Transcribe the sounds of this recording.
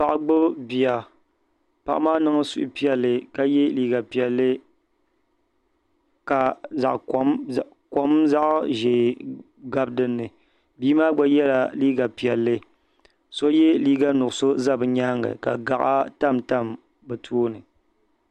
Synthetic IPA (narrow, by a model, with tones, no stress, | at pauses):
pa˨ʔa˨ɡ͡bʊ˦bi˨a˨ | pa̰˨ʔmaː˦nɨ˦ŋɨ˦sṵ˦ʔpi˦ɛ˨lːɨ˨ka˦jɛ˦liː˦ɡa˨pi˨ɛ˨lːɨ˦ | ka˨za̰˨ʔ | ko˦mza˦ʔʒe˨ | ɡa˦bdɨ˦nːɨ˨ | biː˦maː˦ɡ͡ba˦jɛ˦la˨liː˦ɡa˨pi˨ɛ˨lːɨ˦ | so˦jɛ˦liː˦ɡa˦nʊ˨so˦za˦˨bɨ˨ɲa˦ŋɨ̰˨ka̰˨ɡa˨ʔa̰˦ta˦˨mta˦˨m | bɨ˨tʰuː˦nɨ˨